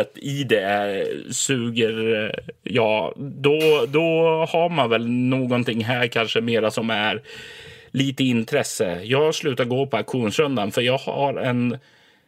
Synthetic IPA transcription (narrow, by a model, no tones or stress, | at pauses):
ət̪ɪd̪ɛ | sʉːɡəɾ | jɑːd̪ɔd̪ɔhaɾmanvɛlnoːɡɔnt̪ɪŋːɦæːɾkʰanʂəmeːɾasɔmæɾ | liːt̪əɪnt̪ʰɾɛsːə̰jɑːɡslʉ̟ːt̪aɾɡoːpʰɔakɧuːnsɾɵnd̪anfœɾjɑːɡhaɾɛn